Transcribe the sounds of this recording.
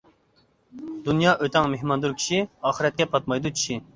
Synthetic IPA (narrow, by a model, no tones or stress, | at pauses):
d̪unjɑːʔøt̪ɛŋmeɦmɑnd̪uɾkʲʰi̥ʃiɑːχəɾɛt̪̚kʲɛpʰɑt̪̚mɑjd̪ut͡ʃʰi̥ʃi